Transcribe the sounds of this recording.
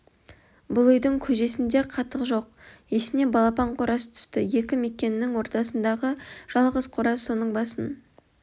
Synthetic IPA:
bʊlˠʏjd̪ɪŋkʲʰɵʒe̞sɪnd̪eqʰɑt̪ːəqʒo̞q̚je̞sɪne̞bɑlˠɑpɑɴqʰʊɾɑsət̪ʰʏ̥st̪ɪje̞kʲɪme̞kʲe̞nɪːɪŋwo̞ɾt̪ɑsənd̪ɑʁəʒ̥ɑlˠʁəz̥qʰʊɾɑo̞nəɴbɑsən

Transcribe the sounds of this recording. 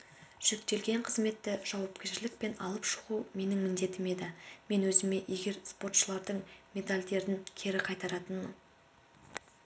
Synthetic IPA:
ʒ̥ʏk̚t̪e̞lɡʲe̞ɴqʰəzme̞t̪ːɪʒ̥ɑwɑpkʲe̞ɾʃɪlɪk̚pe̞nɑlˠəpʃʊ̥ʁume̞nɪŋmɪnd̪e̞t̪ɪme̞d̪ɪme̞nwɵzɪme̞ʔeɡʲe̞ɾspo̞t̪ʃəlˠɑɾd̪əɴmʲe̞d̪alʲd̪e̞ɾɪŋkʲʰe̞ɾɪqʰɑjt̪ɑɾɑt̪ənməɴ

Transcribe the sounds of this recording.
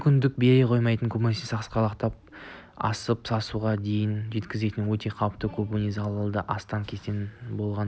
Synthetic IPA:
kʲʏnd̪ɪk̚be̞ɾeqʰo̞jmɑjt̪əŋkʰɵbunisisɑqsqɑlˠɑqt̪ɑp̚ | ɑ̰səpsɑsuʁɑd̪e̞jɪnʒe̞t̪kʲɪze̞t̪ɪnwɵt̪ʰe̞qʰɑwpt̪əkʲʰɵbunizɑlˠəlˠd̪əʔɑst̪ɑŋkʲʰe̞st̪enbo̞lˠʁɑn

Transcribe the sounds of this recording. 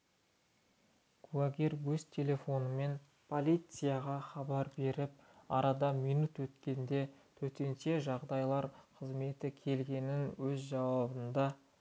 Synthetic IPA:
ɡ̥ulˠaɡʲeɾwɵzt̪ʲʰe̞lʲe̞fo̞nəme̞n | pʰo̞lʲijt̪sɨjɑʁɑχɑbɑɾbe̞ɾɪp̚ɑ̰ɾɑd̪ɑmijnut̪wɵt̪kʲe̞nd̪e̞t̪ʰɵt̪e̞nʃe̞ʒɑʁd̪ɑjlˠɑɾqʰəzme̞t̪ɪkʲʰe̞lɡʲe̞nɪnwɵzʒɑwɑbənd̪ɑ

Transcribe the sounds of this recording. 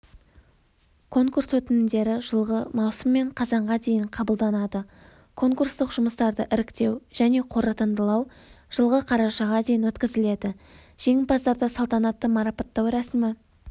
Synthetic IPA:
kʰo̞ŋkurswɵt̪ɪnɪmd̪e̞ɾɪʒəlˠʁəmɑwsəmːe̞ɴqʰɑzɑɴʁɑd̪e̞jɪɴqʰɑbəlˠd̪ɑnɑd̪ə | kʰo̞ŋkurst̪əqʒʊməst̪ɑɾd̪əʔɪɾɪkt̪e̞wʒ̥æne̞qʰo̞ɾət̪ənd̪əlˠɑw | ʒ̥əlˠʁəqʰɑɾɑʃɑʁɑd̪ejɪnwɵt̪kʲɪzɪle̞d̪ɪ | ʒ̥e̞ŋʲɪlpɑzd̪ɑɾd̪ɑsɑlˠt̪ɑnɑt̪ːəmɑɾɑpɑt̪ːɑwɾæsɪmɪ

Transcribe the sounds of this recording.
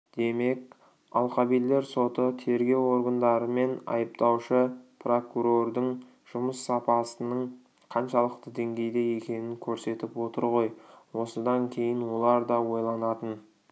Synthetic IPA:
d̪̥e̞me̞kʲ | ɑlˠqɑbijlːe̞ɾso̞t̪ət̪ʰe̞ɾɡʲe̞wo̞ɾɡənd̪ɑɾəme̞nɑ̰jəp̚t̪ɑwʃəpro̞kuɾo̞rd̪əɴ | ʒ̥ʊməsːɑpɑsənəɴ | qʰɑnʃɑlˠəqt̪əd̪e̞ŋɡʲe̞jd̪e̞je̞kʲe̞nɪŋkʲʰɵɾse̞t̪ɪpwo̞t̪əɾʁo̞jwo̞səd̪ɑŋkʲʰe̞jɪnwo̞lˠɑɾd̪ɑwo̞jlˠɑnɑt̪ən

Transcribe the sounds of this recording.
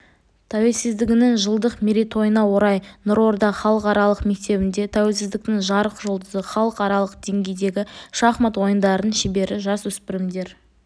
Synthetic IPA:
t̪ʰæwe̞lsɪzd̪ɪɡʲɪnɪŋʒəlˠd̪əqmʲeɾit̪ʰo̞jənɑwo̞ɾɑjnʊɾo̞ɾd̪ɑχɑlˠəqɑɾɑlˠəqme̞k̚t̪e̞bɪnd̪e̞t̪ʰæwe̞lsɪzd̪ɪk̚t̪ɪŋʒɑɾəqʒo̞lˠd̪əzəχɑlˠəqɑɾɑlˠəqd̪̥e̞ŋɡʲe̞jd̪e̞ɡʲɪʃɑχmɑt̪wo̞jənd̪ɑɾənənʃɪbe̞ɾɪʒɑswɵspɪɾɪmd̪e̞ɾ

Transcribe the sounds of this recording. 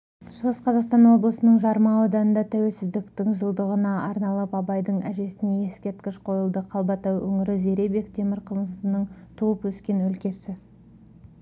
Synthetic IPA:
ʃəʁəsqʰɑzɑqst̪ɑnwo̞blˠəsənəɴʒɑɾmɑwod̪ɑnənd̪ɑt̪ʰæwe̞lsɪzd̪ɪkt̪ɪŋʒəlˠd̪əʁənɑɑɾnɑlˠəpɑbɑjd̪əɴæʒe̞sɪne̞e̞skʲe̞ɾt̪kʲɪʃqʰo̞jəlˠd̪əqʰɑlˠbɑt̪ɑwɵ̰ŋɪɾɪze̞ɾe̞be̞kt̪ʰe̞mɪɾqʰəmsənəɴt̪ʰuwəpwɵskʲe̞nwɵlkʲe̞sɪ

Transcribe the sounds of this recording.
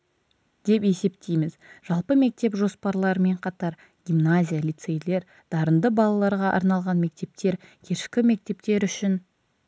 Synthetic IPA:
d̪̥e̞pe̞se̞p̚t̪ʰejmɪzʒɑlˠpəme̞k̚t̪e̞pʒo̞spɑɾlˠɑɾəme̞ɴqʰɑt̪ɑɾ | ɡʲimnazʲijalʲit̪se̞jle̞ɾ | d̪̥ɑɾənd̪əbɑlˠɑlˠɑɾʁɑʔɑ̰ɾnɑlˠʁɑnme̞k̚t̪e̞p̚t̪e̞ɾkʲʰeʃkʲɪme̞k̚t̪e̞p̚t̪e̞ɾʏʃɪn

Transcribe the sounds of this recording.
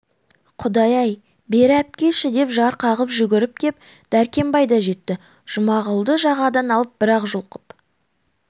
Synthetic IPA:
qʰʊd̪ɑjɑj | be̞ɾæp̚kʲe̞ʃɪd̪e̞pʒɑɾqʰɑʁəpʒʏɡʲɪɾɪp̚kʲʰe̞p̚ | d̪̥æɾkʲe̞mbɑjd̪ɑʒe̞t̪ːɪ | ʒ̥ʊmɑʁəlˠd̪əʒɑʁɑd̪ɑnɑlˠəp̚bɪɾɑqʒʊlˠqə̥p

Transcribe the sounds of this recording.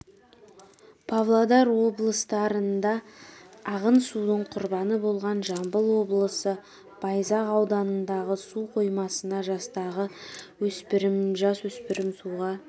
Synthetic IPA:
pʰavlˠad̪ɑɾwo̞blˠəst̪ɑɾənd̪ɑː | ʁənsud̪əɴqʰʊɾbɑnəbo̞lˠʁɑnʒɑmbəlˠwo̞blˠəsə | b̥ɑjzɑʁɑwd̪ɑnənd̪ɑʁəsuqʰo̞jmɑsənɑʒɑst̪ɑʁəwɵspɪɾɪmʒɑswɵspɪɾɪmsuʁɑ

